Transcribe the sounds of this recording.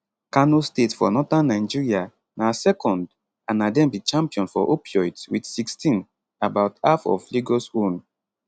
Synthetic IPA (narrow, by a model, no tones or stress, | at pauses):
kanostetfɔ̰nɔtãnːaɪnd͡ʒiɹia | nasɛkʰɔ̃nd | anadɛ̃mbit͡ʃãmpiɔ̃nfɔ̰ʔopjɔjtwidsikstĩn | abaʊtafɔ̰fliɡosun